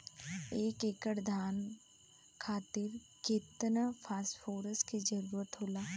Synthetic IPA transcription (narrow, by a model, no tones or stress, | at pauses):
eːkeːkəɽd̪ʱaːn | kʰaːt̪ɪɾ | ket̪napʰaːsfʰoːɾəsked͡ʒəɾuːɾət̪ɦoːlaː